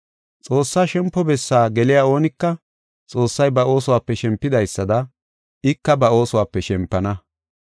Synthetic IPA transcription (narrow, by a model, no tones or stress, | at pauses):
t͡sʼo̞ːsːaːʃɛmpːɔbɛsːaːɡɛlɪjao̞ːnɪkːɐ | t͡sʼo̞ːsːɐjbɐʔo̞ːsʊwaːpːɛʃɛmpːɪd̪ɐjsːɐd̪ɐ | ɪkːɐbɐo̞ːsʊwaːpːɛʃɛmpːɐnɐ